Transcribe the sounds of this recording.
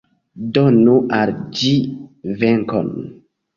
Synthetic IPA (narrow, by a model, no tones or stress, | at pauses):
donuʔald͡ʒiveŋko̰n